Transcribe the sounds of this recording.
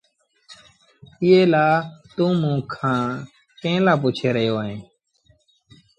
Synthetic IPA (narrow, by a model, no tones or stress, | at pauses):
ɪeːlaːt̪ũːmũːkʰãː | kẽːlaːpuːt͡ʃʰeːɾəɦjoːẽː